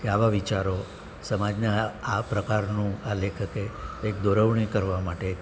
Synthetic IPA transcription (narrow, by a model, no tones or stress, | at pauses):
keaʋaʋit͡ʃaɾo | səmad͡ʒneapɾəkaɾnũalekʰəkeːkd̪ɔɾəʋɳ̃ikəɾʋamaʈe